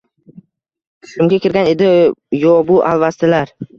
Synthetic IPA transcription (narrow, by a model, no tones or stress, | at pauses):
ʃʊmɡʲakʲɪɾɡʲane̞d̪ɪjɒbʊʔalˠvast̪ɪlaɾ